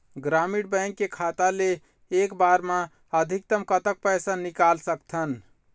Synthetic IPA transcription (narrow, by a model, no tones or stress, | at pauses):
ɡɾamiɽbəjŋkːekʰat̪aleː | kbaɾmã | əd̪ʱik̚t̪əmkət̪ək̚pəjsanikalsəkt̪ʰən